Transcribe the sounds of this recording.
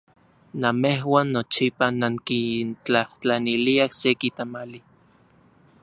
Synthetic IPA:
namehwaːnːot͡ʃipanaŋkint͡ɬaht͡ɬaniliahsekit̪amali

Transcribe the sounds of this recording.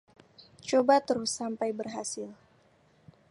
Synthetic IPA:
t͡ʃobat̪əɾusːampajbərɦasɪl

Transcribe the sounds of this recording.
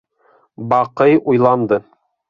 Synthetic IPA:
bɑqɤjujlˠɑnd̪ɤ

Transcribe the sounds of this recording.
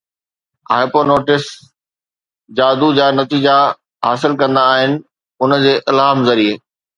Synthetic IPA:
a̰ːɪpoːnoːʈɪs | d͡ʑaːd̪ud͡ʑaːnɐt̪iːd͡ʑa | ɦaːsɪlkɐ̃nd̪aːɦɪnɪ̆ | ʊnd͡ʑeːʔɪlaːmzɐɾieː

